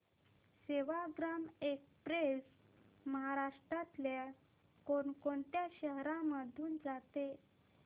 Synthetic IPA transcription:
seʋaɡɾamekpɾes | məɦaɾaʂʈɾat̪lja | koɳkoɳt̪jaɕəɦɾãməd̪ʱjuːnd͡zat̪e

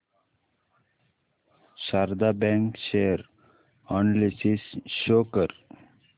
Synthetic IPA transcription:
ʃaɾd̪abɛ̃ŋkʃeəɾ | õːnlisisʃoːkəɾ

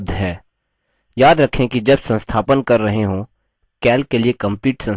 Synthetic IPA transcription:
d̪ʱɦɛː | jaːd̪ɾɐkʰẽkid͡ʒɐbsɐ̃nst̪ʰaːpənkɐɾːɐɦeɦõ | kɛːlkeliekɐ̃mpiːʈsɐ̃n

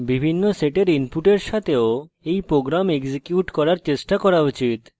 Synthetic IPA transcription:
bibʱinːoseʈeɾimpuʈeɾʃat̪ʰeo | ejpɾoɡɾamekd͡ʑekjuʈkɔɾaɾt͡ɕeʃʈakɔɾaut͡ɕit̪

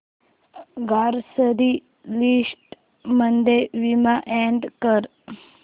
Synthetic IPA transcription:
ɡaːɾsəd̪i | lisʈ | mənd̪eʋimaʔeɳɖkəɾ

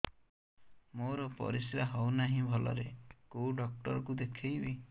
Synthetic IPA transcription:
moɾɔpɔ̰ɾisɾaɦɔwnaɦĩbʱɔlɔ̰ɾekoɖɔk̚ʈɔɾɔk̬ud̪ekʰejbi

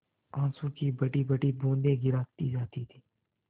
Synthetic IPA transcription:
ãːnsũːkiːbəʈiːbəʈiːbõːnd̪ẽːɡɪɾaːt̪ḭːd͡ʒaːt̪iːt̪ʰi̥ː

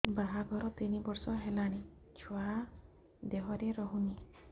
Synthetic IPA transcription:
baɦaɡʱɔɾɔt̪inibɔɾsɔɦelaɽ̃i | t͡ʃʰua | d̪eɦɔɾeɾɔɦuni

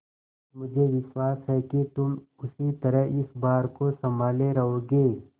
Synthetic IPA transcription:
mʊd͡ʒʱeʋɪswaːsɦɛkit̪ʊm | ʊsit̪ɐɾəɦɪsbaːɾkosɐmbʱaːleɾɐɦoːɡeː

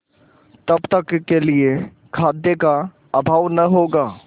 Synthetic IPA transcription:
t̪ɐbt̪ɐkːelie | kʰaːd̪jeka | ɐbʱaːʋnɐɦoːɡaː

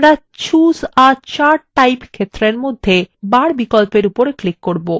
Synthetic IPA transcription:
ɾa | t͡ɕuzat͡ɕaɾʈːajpkʰet̪ːɾeɾmod̪ʱːebaɽbikolpeɾupoɾeklikːoɾbo

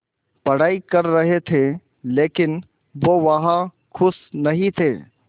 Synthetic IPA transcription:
pɐɽ̤aːikɐɾːɐɦet̪ʰe | leːkɪn | ʋoʋɐɦã | kʰʊsnɐɦĩt̪ʰeː

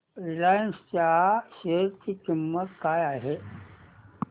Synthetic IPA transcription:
ilajnstaːɕeɾt̪ikimːət̪kaːjaːɦe

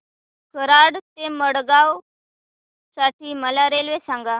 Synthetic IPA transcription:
kʰəɾaɽt̪eməɽɡaw | saʈʰiːməlaɾelʋesãŋɡa

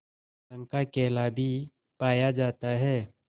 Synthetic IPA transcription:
ə̃ŋkakɛːlabʱi | paːjad͡ʒaːt̪aɦɛː

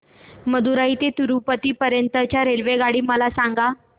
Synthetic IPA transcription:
məd̪uɾaɦit̪et̪uɾupət̪iːpəɾjənt̪ət͡ɕjaɾelʋeɡaɽiːməlasaŋɡa

